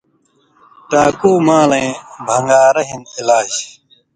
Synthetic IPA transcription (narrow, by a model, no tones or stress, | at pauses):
ʈaːkuːmãːlẽːbʱɐŋɡaːɾɐɦinilaːd͡ʑ